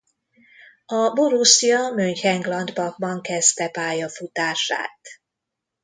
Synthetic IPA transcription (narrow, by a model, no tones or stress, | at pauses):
ɒboɾusijɒmøɲchɛŋɡlɒnd̪bɒk̚bɒŋkɛst̪ɛpaːjɒfut̪aːʃa̰ːt̪